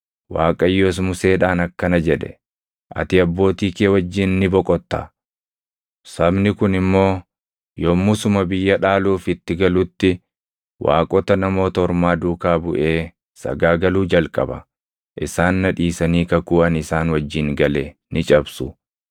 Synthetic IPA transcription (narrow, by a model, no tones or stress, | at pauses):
waːkʼɐjːoːs̬mʊse̞ːᶑaːnɐkːɐnɐd͡ʒɛᶑɛ̰ | ʔɐ̰t̪ɪɐbːo̞ːt̪iːkeːwɐd͡ʒːɪnnːɪbɔkʼɔt̪ːɐ | sɐbnɪkʊnɪmːo̞ː | jɔmːʊsʊmɐbɪjːɐᶑaːluːfɪt̪ːɪɡɐlʊt̪ːɪ | wʔa̰ːkʼɔt̪ɐnɐmo̞ːt̪ɐɔɾmaːd̪uːkaːbʊʔe̞ː | sɐ̰ɡaːɡɐluːd͡ʒɐlkʼɐ̰bɐ̰ | ʔɪsaːnːɐᶑiːsɐniːkɐkuːɐnɪsaːnwɐd͡ʒːɪŋɡɐlenɪt͡ʃʼɐbsʊ